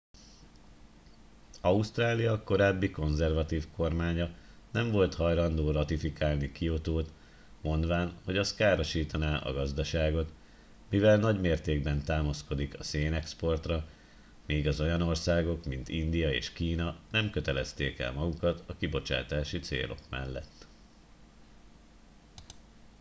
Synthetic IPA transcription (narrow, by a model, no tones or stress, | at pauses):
ɒust̪raːlijɒko̞ɾaːbːiko̞nzɛrvɒt̪iːfko̞rmaːɲɒ | nɛɱvo̞lt̪hɒjlɒnd̪oːrɒt̪ifikaːlnikio̞t̪oːt̪ | mo̞nd̪ʋaːnho̞ɟɒskaːɾo̞ʃiːt̪ɒnaːʔɒ̰ɡɒzd̪ɒʃaːɡo̞t̪ | mivɛlnɒɟmeːrt̪eːɡbɛnt̪aːmɒsko̞d̪ikɒseːnɛkspo̞rt̪rɒ | miːɡɒzo̞jɒno̞rsaːɡo̞kmint̪ind̪ijɒḛːʃkiːnɒnɛmkøt̪ɛlɛst̪eːkɛ̰lmɒɡukɒt̪ɒkibo̞t͡ʃa̰ːt̪aːʃit̪sḛːlo̞̰kmɛ̰lːɛ̰t̪ː